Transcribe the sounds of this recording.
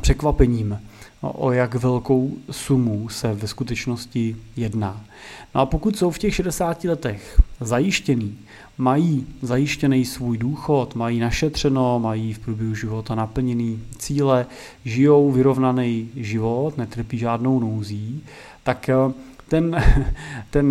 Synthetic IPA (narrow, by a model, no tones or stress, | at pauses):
pr̥ɛkvapɛɲiːm̰ʔo̰jakvɛlko̞wsumusɛvɛskut̪ɛt͡ʃnoscɪjɛdnaː | noapokut̪so̞wfcɛxʃɛdɛsaːcɪlɛt̪ɛxzajɪʃcɛniː | majiːzajɪʃcɛnɛjsvuːjduːxo̞t̪majiːnaʃɛt̪r̝̥ɛno̞majiːfpɾuːbjɛɦuʒɪvo̞t̪anapl̩ɲɛniːt͡siːlɛ | ʒɪjo̞wvɪɾo̞vnanɛjʒɪvo̞t̪nɛt̪r̩piːʒaːdno̞wnowziː | t̪ak | t̪ɛn | t̪ɛn